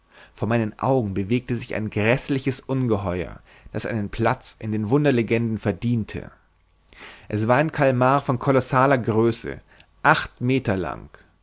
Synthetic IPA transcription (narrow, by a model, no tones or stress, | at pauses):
foːɐmaɪnənʔa̰ʊɡŋ̩bəveːk̚təzɪça̰ɪnɡʁɛslɪçəsʔʊnɡəɦɔʏɐ̰ | d̥a̰sʔa̰ɪnənpʰl̥at͡sʔɪndeːnvʊndɐleɡɛndn̩fɛɐdiːntʰə̰ | ʔɛsv̥aːɐaɪnkʰalmaːʁfɔnkʰɔlɔsaːlɐɡʁøːsə̰ | ʔaχtmeːtɐla̰ŋ